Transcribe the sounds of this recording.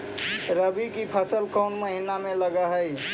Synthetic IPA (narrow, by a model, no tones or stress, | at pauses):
ɾəbikipʰəsəlkəːnməɦɪnamẽləɡaɦəi